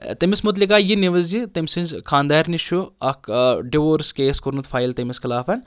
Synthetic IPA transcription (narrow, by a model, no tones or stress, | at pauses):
t̪ɐmismut̪likaːjiniʋɐzd͡ʒit̪ɐmʲsinzkʰãːnd̪aːɾniʃuɐkɖiʋoːɾskeːskoɾnɐt̪fʰaːjlt̪ɐmiskʰɐlaːfɐn